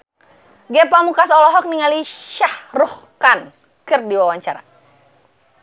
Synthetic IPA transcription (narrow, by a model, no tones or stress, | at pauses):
ɡɛpamukasɔlɔɦɔk̚niŋaliʃahruh | kan | kɨrdiwawaɲt͡ʃaɾa̰